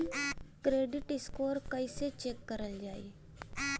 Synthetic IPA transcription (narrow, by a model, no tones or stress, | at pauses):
akɾeːɖɪʈɪskoːɾkəiset͡ʃekːəɾəld͡ʒaːḭ | a